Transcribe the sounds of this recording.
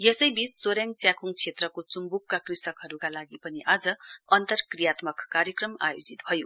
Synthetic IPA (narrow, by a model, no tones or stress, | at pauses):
jesʌjbisːoɾjaŋɡt͡sjakʰuŋt͡sʰet̪rʌkot͡sumbukːakrisʌkɦʌɾukalaɡipʌniʔad͡zʌʌnt̪ʌrkrijat̪mʌkːaɾjʌkrʌma̰jod͡zit̪bʱʌjo